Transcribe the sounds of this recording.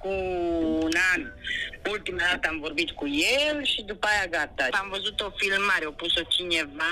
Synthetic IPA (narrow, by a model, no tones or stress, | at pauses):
kuː | nanult̪imad̪at̪əamvo̞rbit̪kujelʃid̪upajaɡat̪aamvəzut̪o̞filmaɾeopuso̞t͡ʃineva